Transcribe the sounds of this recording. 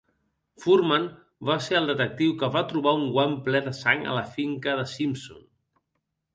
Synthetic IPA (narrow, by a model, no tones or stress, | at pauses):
fuɾman | βaseəlˠd̪ət̪ək̚t̪iwkəβat̪ɾuβ̞auŋɡwamplɛðəsaŋə̰ləfiŋkəðəsimsṵn